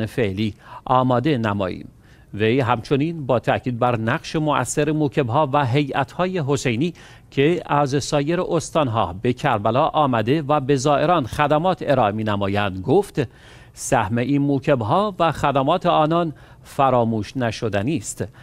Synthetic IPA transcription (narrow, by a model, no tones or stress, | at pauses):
nefeʔliːɒːmɒːd̪e̞næmɒ̰ːjḭːm | ve̞jɦæmt͡ʃʰo̞niːnbɒːt̪ʰæcʰiːd̪̚bæɾnæɢʃe̞moʔæ̰sːeɾemuːcʰe̞bɦɒːvæɦe̞jʔæ̰t̪ʰhɒːje̞ɦo̞se̞jniː | cʰe̞æzsɒːje̞ɾeʔost̪ɒːnɦɒ̰ːbe̞cʰæɾbælɒːʔɒːmæd̪e̞væbe̞zɒːʔe̞ɾɒːnxæd̪æmɒːt̪ʰe̞ɾɒːʔemiːnæmɒːjænd̪ɡoft̪ | sæhme̞ʔiːnmuːcʰebɦɒːvæxæd̪æmɒːt̪ʰeɒːnɒn | fæɾɒːmuːʃnæʃo̞d̪æniːst̪